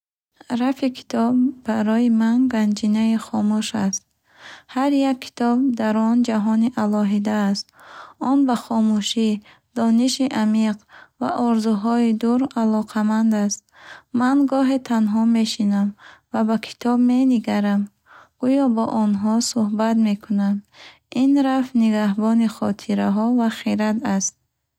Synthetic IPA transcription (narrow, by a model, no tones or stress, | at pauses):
ɾafikʰi̥t̪ʰɔbːaɾɔimanɡand͡ʒinaiχɔmuʃast̪̚ | haɾjakʰːi̥t̪ʰɔb̚d̪aɾɔnd͡ʒaɦɔniʔalɔɦid̪aːst̪ɔnbaχɔmuʃi | d̪̥ɔniʃiʔamiqva̰ʔɔɾzuɦɔid̪uɾalɔqʰamand̪ast̪̚manɡɔɦe̞t̪ʰanɦɔme̞ʃinamvabakʰi̥t̪ʰɔbme̞niɡaɾam | ɡ̥ujɔbɔʔɔnɦɔsuhbat̪me̞kʰunam | inɾaft̪niɡahbɔniχɔt̪ʰiɾaɦɔvaχiɾat̪ast̪̚